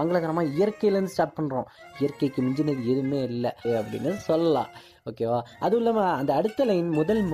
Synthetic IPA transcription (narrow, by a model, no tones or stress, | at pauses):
ɐŋɡɐɭɐɣɐɾɐmaːɪjɐɾkːɐjlɾɯnd̪ɯsʈaːʈ̚pɐɳːɾõː | ɪjɐɾkɐɪkːɯmɪɲd͡ʒɐneːðɯɛðɯmːeːɪlːɐɐpːɐɽɪ̰nːɯsɔlːɐlã̰ː | oːkeːʋaːʔɐðɯʊlːɐːmaːɐnd̪ɐːɽɯt̪ːɐlɐjnmʊðɐlm